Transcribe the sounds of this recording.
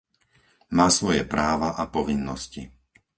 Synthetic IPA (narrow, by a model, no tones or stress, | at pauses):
maːsʋɔjɛpɾaːʋaʔapɔʋinːɔsci